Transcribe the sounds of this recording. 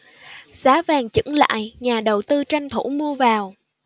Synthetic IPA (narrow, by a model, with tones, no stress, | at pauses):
saː˨˦vaː˨˩ŋt͡ɕɨ̰˧˥ŋla̰ː˧˨jɲaː˨˩ɗə˨˩wt̪ɨ˧t͡ɕa˧jŋ̟t̪ʰu˧˩mu˧əvaː˨˩w